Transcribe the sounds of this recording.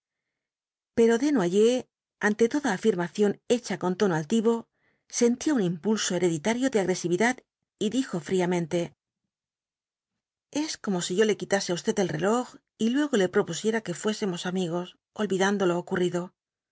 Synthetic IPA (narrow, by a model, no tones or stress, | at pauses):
pe̞ɾo̞ðe̞nwaʝe̞ | ant̪e̞t̪o̞ðaːfiɾmaθjo̞ne̞t͡ʃako̞nt̪o̞noalt̪iβo̞ | se̞nt̪iounĩmpulso̞e̞ɾe̞ðit̪aɾjo̞ðeaɣɾe̞siβiðað | iðixo̞fɾiamẽ̞nt̪e̞ | e̞sko̞mo̞siʝo̞le̞kit̪aseaust̪e̞t̪elre̞lo̞x | ilwe̞ɣo̞le̞pɾo̞pusje̞ɾake̞fwe̞se̞mo̞samiɣ̞o̞s | o̞lβiðand̪o̞loːkuriðo̞